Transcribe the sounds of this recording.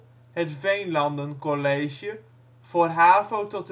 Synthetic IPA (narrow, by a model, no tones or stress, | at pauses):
ɦətvejnlɑndənkɔlejʒjə | v̥oːrɦaːvowtɔt